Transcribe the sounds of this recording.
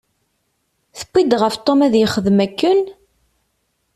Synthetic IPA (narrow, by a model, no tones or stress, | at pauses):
θə̥kʷːid̪ʁəft̪ˤomæðjəχəðmækːən